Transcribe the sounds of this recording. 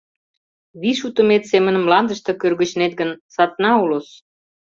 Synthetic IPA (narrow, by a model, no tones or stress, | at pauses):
βiʃut̪ə̆met̪semənə̆mːlɑnd̪ə̆ʃt̪ɤkørɣə̆t͡ɕnet̪̚ɡənsɑt̪nɑulos